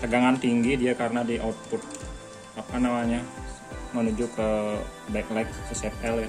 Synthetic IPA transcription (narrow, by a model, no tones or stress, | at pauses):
t̪əɡaŋant̪iŋɡidiakaɾənadiʔɔt̪̚pʊt̪̚ | apanamaɲa | mənud͡ʒukə | baɪklaɪk̚səsɛpɛla